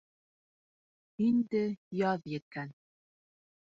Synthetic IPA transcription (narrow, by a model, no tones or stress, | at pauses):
ind̪ɘjɑðjɘ̆t̪̚kæn